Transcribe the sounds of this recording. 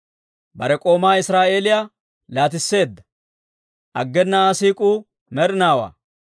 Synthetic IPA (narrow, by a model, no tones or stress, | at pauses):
bɐɾɛkʼo̞ːmaːɪsɾaːʔe̞ːlɪja | laːt̪̬ɪsːe̞ːd̪ːɐ̥ | ʔɐ̰ɡːɛnːɐasiːkʼuː | mɛɾɪnaːwa̰ː